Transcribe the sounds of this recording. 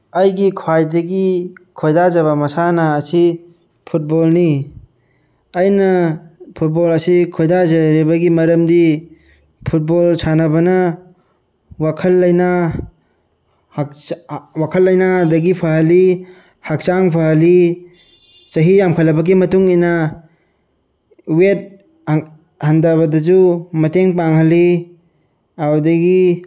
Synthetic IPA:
ɐjɡikʰwajdɐɡikʰojdazɐβɐmɐsanɐːsi | pʰut̚bolni | ɐjnɐpʰut̚bolɐsikʰojdazɐɾibɐɡimɐɾɐmdi | pʰut̚bolsʰanɐbɐnɐ | wakʰɐlːɐjna | kwakʰɐlːɐjnadɐɡipʰaɦɐli | hak̚t͡ʃaŋpʰaɦɐli | sɐɦijamkʰəlɐbɐɡimɐtuŋina | wet̚ | handaβɐdɐzumɐteŋpaŋhalːi | awdɐɡi

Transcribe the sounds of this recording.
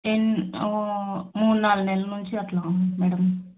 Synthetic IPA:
enomuːɽnaːlnɛlːɐnuɲt͡ʃiɐt̪laːmɛːɽɐm

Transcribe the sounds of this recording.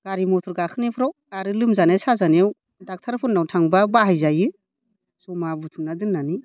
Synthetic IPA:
ɡ̥aɾimɔtʰɔɾɡakʰɯnepʰɾɔɡaɾɯlɯmzanesazanew | dak̚tʰaɾpʰunawtʰaŋbabaɦajzajɯ | sɔmabutʰunadɯnːani

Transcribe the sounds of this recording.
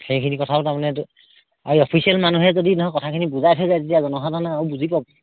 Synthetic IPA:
xejkʰinikɔtʰaɔtaɹmanɛ | aɹiɔpʰisialmanuɦɛzodinɔɦɔkɔtʰakʰinibuzajtʰɔjzajzetiazɔnɔxadʱanaːubuzʱipɔbɔ

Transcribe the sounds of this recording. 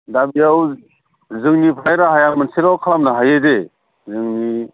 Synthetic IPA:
dabijaw | zɯŋnipʰajɾaɦajamɯnsiɾawkʰalamnaɦajɯde | zɯŋni

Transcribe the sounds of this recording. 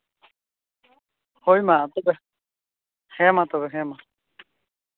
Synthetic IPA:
hojmat̪ɔbɛ | hɛ̃mat̪ɔbɛɦɛ̃ma

